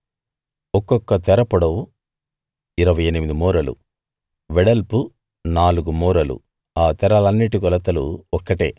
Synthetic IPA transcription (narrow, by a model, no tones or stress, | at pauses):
ɔkːɔkːɐt̪ɛɾɐpuɽɐwu | iɾɐʋɐjenimid̪imɔːɾɐlṵ | ʋɛɽɐlpu | naːluɡumɔːɾɐlṵ | aːt̪ɛɾɐlɐnːiʈikɔlɐt̪ɐlṵɔkːɐʈḛː